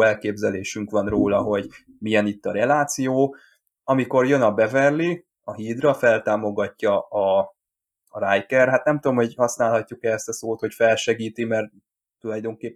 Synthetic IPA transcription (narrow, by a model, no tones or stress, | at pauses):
ɛlkeːbzɛleːʃyŋkʋɒnroːlɒɦo̞ɟ | mijɛnit̪ːɒɾɛlaːt̪sijoː | ɒmiko̞rjønɒbɛvɛrli | ɒɦiːd̪rɒfɛlt̪aːmo̞ɡɒcːɒː | ɾajkɛrɦat̪nɛmt̪uomho̞ɟhɒsnaːlɦɒcːukɛɛst̪ɒsoːt̪ho̞cfɛlʃɛɡiːt̪imɛr | t̪ːulɒjd̪o̞ŋkeːpː